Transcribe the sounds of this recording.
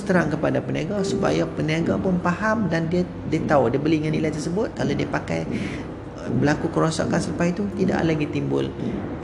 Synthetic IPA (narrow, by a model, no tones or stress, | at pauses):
st̪əɾaŋkəpadapəniaɡasupa̰japəniaɡapʊnpahamdandia | diat̪audiəbəliŋanːilajt̪ərsəbʊt̪̚kalodiapaka̰j | bəlakukəɾosɔ̰ʔkansəɾəpajt̪ut̪ida̰ʔlaɡit̪imbʊ̰l